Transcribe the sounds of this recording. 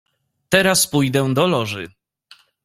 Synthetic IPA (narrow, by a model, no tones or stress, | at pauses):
t̪ɛɾaspujd̪ɛd̪ɔlɔʐɘ